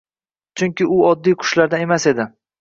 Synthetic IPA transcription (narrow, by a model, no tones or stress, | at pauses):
t͡ʃʰʊŋkʲɪʊɒd̪ːijqʰʊ̥ʃlaɾd̪ane̞mase̞d̪ɪ